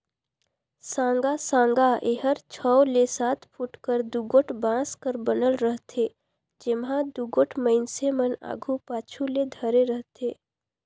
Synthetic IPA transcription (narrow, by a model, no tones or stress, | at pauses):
sãːŋɡasãːŋɡaʔeːɦəɾt͡ʃʰɔwlesaːt̪ʰpʰuʈkəɾd̪uɡoːʈʰbãːskəɾbənəlɾəɦt̪ʰe | d͡ʒɪmɦãd̪uɡoːʈʰməɪnseməna̰ːɡʱupaːt͡ʃʰuled̪ʱəɾeɾəɦt̪ʰeː